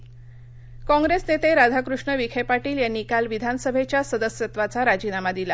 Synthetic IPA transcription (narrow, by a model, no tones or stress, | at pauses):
kɔ̃ŋɡɾesnet̪eɾad̪ʱakɾuʂɳəʋikʰepaʈiːljanːikalʋid̪ʱanəsəbʱet͡ɕjasəd̪əsjət̪ʋat͡saɾad͡ʑinamad̪ila